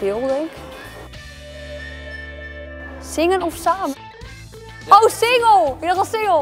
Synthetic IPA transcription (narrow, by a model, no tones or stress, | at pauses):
ɪlˠdɛŋk | sɪŋənɔfsaːm | owsɪŋəlˠɪtɑsɪŋəlˠ